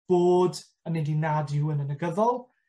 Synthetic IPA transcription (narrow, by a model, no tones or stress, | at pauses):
b̥oːd | anedinadjuːənənəɡəðɔlˠ